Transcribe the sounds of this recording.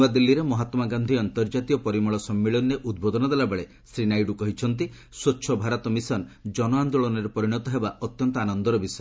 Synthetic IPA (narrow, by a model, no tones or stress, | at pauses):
ad̪ilːiɾemɔɦat̪maɡand̪ʱiɔnt̪ɔɾd͡ʒat̪iɔpɔɾimuɭɔsɔmːiɭɔnːeʔud̪̚bod̪ɔnɔd̪elabeɭe | sɾinajɖukɔɦit͡ʃʰɔnt̪̬i | sotːʃʰɔbʱaɾɔt̪ɔmisɔnd͡ʒɔnɔand̪ɔɭɔneɾepɔɾiɽ̃ɔt̪ɔɦebaɔt̪jɔnt̪ɔanɔnd̪ɔɾɔbisɔ